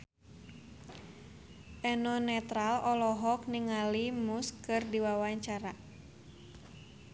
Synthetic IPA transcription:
ʔɛnɔnɛt̪ɾalɔlɔɦɔk̚niŋalimuskɨrdiwawaɲt͡ʃaɾa

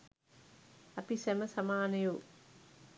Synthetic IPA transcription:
ɐpisemɐsɐmaːnɐju

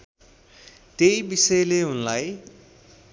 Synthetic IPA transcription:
t̪ejbisʌleɦunlaj

